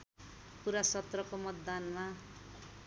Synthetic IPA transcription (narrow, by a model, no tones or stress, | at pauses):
puɾasʌt̪rʌkomʌt̪d̪anma